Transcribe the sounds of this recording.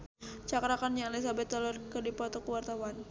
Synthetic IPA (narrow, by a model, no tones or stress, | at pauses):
t͡ʃakɾakanjaŋlis̬abɛt̪ːalɔrkədipɔt̪ɔkəwart̪awan